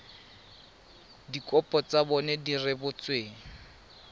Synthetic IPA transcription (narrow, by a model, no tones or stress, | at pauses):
dikɔpʼɔt͡sabɔnɛdirɪbʊt͡sweːŋ̩